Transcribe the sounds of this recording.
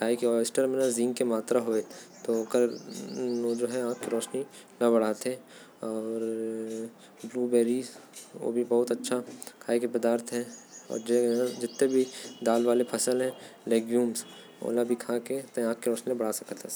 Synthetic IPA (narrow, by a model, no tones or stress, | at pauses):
kʰaːekiɔsʈəɾmɪ̃əɾzĩːŋɡkemaːt̪ɾaɦoːet̪oɐɡəɾ | d͡ʒoːɦɛãːkkiɾɔːʃni | nɐbɐɽ̤aːt̪e | ɔːɾ | bluːbɛːɾizʋo̰ːbʱibɐɦʊt̪ɐtːʃʰakʰaːekepɐd̪aːɾt̪ɦɛ̃ɔ̰ːɾd͡ʒed͡ʒɪt̪ːebʱid̪aːlʋaːlepʰɐsəlɦɛ̃leːɡjuːms | o̰ːlabʱikʰaːket̪oãːkkiɾɔːʃnilẽbɐɽ̤asɐkət̪a